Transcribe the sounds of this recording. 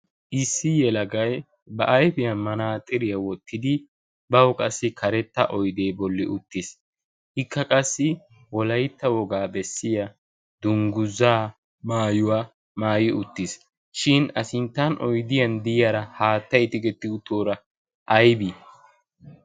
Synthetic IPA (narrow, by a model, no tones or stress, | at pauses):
ʔɪsːɪjɛlɐɡɐj | bɐʔɐjfɪjɐnmɐnaːt̪ʼɪɾɪjɐwɔt̪ʰːɪd̪ɪ | bɐwkʼɐsːɪkʰɐɾɛt̪ːɐʔɔjd̪eːbɔlːɪʔʊt̪ːɪs | hɪkːɐkʼɐsːɪ | wɔlɐjt̪ːɐwɔɡaːbɛsːɪjɐ | d̪ʊŋɡʊzːaː | maːjʊwaː | maːjɪʊt̪ːɪs | ʃɪnɐsɪnt̪ːɐnʔɔjd̪ɪjɐnd̪ɪjɐɾɐhaːt̪ːɐjt̪ɪɡɛt̪ːɪʊt̪ːoːɾɐ | ʔɐjbi